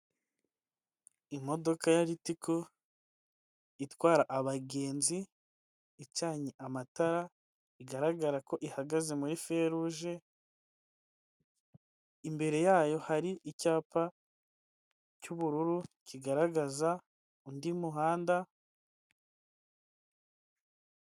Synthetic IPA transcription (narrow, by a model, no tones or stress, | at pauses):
imo̞do̞kajaɾitikʰo̞ | itwaːɾaʔaβaɡe̞ːnziː | t͡ʃaːɲeʔamataɾa | iɡaɾaɡaɾako̞ʔihaɡaze̞muɾife̞ɾuʒe̞ | imbe̞ɾe̞jaːjo̞haɾiʔicaːpa | cuβuɾuɾuciɡaɾaɡaza | undimuɦaːnda